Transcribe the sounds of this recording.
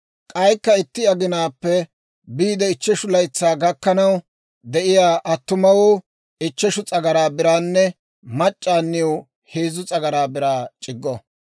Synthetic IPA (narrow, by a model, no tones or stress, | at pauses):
kʼɐjkːɐɪt̪ːɪɐɡɪnaːpːɛ | biːd̪ɛɪt͡ʃːɛʃʊlɐjt͡sːaːɡɐkːɐnɐw | d̪ɛʔɪjaːʔɐt̪ːʊmɐwʊ | ɪt͡ʃːɛʃʊt͡sʼɐɡɐɾaːbɪɾaːnːɛ | mɐt͡ʃʼːaːnːɪw | heːzʊt͡sʼɐɡɐɾaːbɪɾaːt͡ʃʼɪɡːɔ